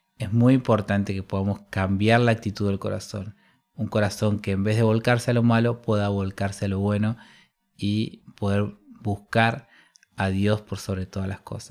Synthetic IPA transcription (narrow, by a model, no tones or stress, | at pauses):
ezmujimpo̞ɾt̪ant̪ekepo̞ðamo̞skambjaɾlaːk̚t̪it̪uðe̞lko̞ɾa̰so̞̰n | uŋko̞ɾaso̞ŋkeːmbe̞ɦðe̞βo̞lkaɾsealo̞malo̞pwe̞ðaβo̞lkaɾsealo̞βwe̞no | ipo̞ð̞e̞ɾbuskaɾ | aðjo̞spoɾso̞β̞ɾet̪oðalasko̞̰sḁs